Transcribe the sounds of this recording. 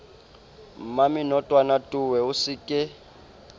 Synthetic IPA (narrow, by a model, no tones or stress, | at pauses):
mamɪnɔtʼwanatʼuwɛusɪkʼɪ